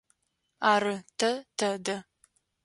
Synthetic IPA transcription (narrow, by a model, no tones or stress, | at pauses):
aːɾɨtʰɐtʰɐdɐ